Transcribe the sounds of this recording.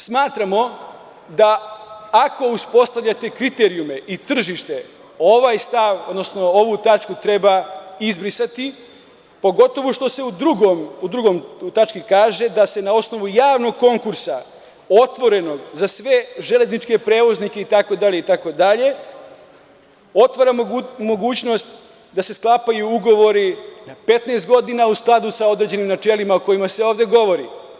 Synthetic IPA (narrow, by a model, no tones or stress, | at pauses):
smaːt̪ɾamo̞ | d̪aː | ko̞uspo̞st̪aʋʎʲat̪e̞kɾit̪eɾiume̞ʔit̪r̩ʒiʃt̪e̞ | o̞ʋajst̪aʋo̞d̪no̞sno̞o̞ʋut̪at͡ʃkut̪ɾe̞baizbɾisat̪i | po̞ɡo̞t̪o̞ʋuʃt̪o̞se̞ud̪ɾuɡomud̪ɾuɡo̞mt̪at͡ʃkikaːʒe̞d̪ase̞nao̞sno̞ʋujaːʋno̞ɡ̚ko̞ŋkuɾsa | o̞t̪ʋo̞ɾe̞no̞ɡzasʋe̞ʒe̞le̞znit͡ʃke̞pɾe̞ːʋo̞znike̞it̪ako̞d̪aʎe̞it̪ako̞d̪aʎe̞ | o̞t̪ʋaɾamo̞ɡuːt͡ɕno̞st̪ | d̪ase̞sklˠaːpajuuɡo̞ʋo̞ɾinape̞t̪neːst̪̚ɡo̞d̪inausklˠad̪usao̞d̪ɾed͡ʑe̞nimnat͡ʃelimaoko̞jimase̞o̞ːʋd̪e̞ɡo̞ʋo̞ɾḭ